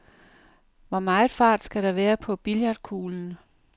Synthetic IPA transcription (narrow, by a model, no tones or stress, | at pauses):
ʋɒmɑ̈ːð̩fɑ̰̈ːd̥sɡ̥æɾ̥ɑ̈ʋæːɐpʰɒ̽b̥iljɑd̥̚kʰuːln̩